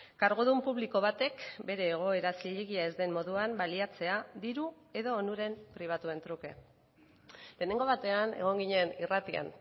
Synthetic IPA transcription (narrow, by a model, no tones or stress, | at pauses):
kaɾɣoðumpuβliko̞β̞at̪e̞kbe̞ɾe̞ːɣ̞o̞e̞ɾasiʎeɣiaezd̪e̞mmo̞ðuambaliat͡se̞aðiɾu | e̞ðo̞ːnuɾe̞mpɾiβ̞at̪ue̞nt̪ɾuke̞̰ | le̞ːne̞ŋɡo̞βat̪e̞ane̞̰ɣ̞o̞ŋɡiɲenirat̪ia̰n